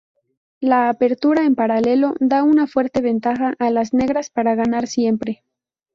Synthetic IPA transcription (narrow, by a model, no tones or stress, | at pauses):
laːpe̞ɾt̪uɾae̞mpaɾale̞lo̞ðaunafwe̞ɾt̪e̞βe̞nt̪axaʔːlazne̞ɣɾaspaɾaɣanaɾsje̞mpɾe̞